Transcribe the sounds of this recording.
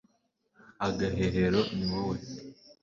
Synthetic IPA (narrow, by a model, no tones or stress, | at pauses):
aɡaɦeɦeɾoniwowe